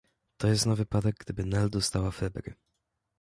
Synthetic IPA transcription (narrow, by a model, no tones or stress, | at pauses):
t̪ɔjɛst̪nɔvɘpad̪ɛɡ̚ɡd̪ɘbɘnɛld̪ɔst̪awafɛbɾɘ̰